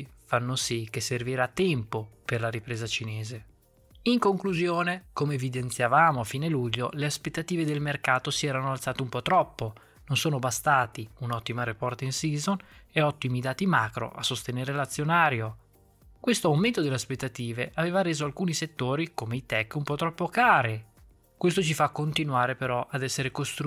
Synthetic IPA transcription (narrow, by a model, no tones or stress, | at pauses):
fanːosik̟ːeserviɾat̪ːɛmpoperlaɾipɾeːzat͡ʃineːze | iŋkoŋkluzjoːnekomeːvid̪ent̪sjavaːmoafiːneluʎːo̰leaspet̪ːat̪iːved̪elmerkaːt̪osiɛːɾanoalt̪saːt̪eumpɔt̪ːɾɔpːo | nonsoːnobast̪aːt̪iunɔt̪ːimaɾepɔrt̪ainsiːzoneɔt̪ːimid̪aːt̪imaːkɾo̰ʔa̰sːost̪eneːɾelat̪sːjonaːɾjo | kwest̪oawment̪od̪eleaspet̪ːat̪iːveʔaveːvaɾeːzoalkuːniset̪ːoːɾikomeit̪ɛkːumpɔt̪ːɾɔpːokaːɾe | kwest̪ot͡ʃifakːont̪inwaːɾepeɾɔʔad̪ɛsːeɾekost̪ɾ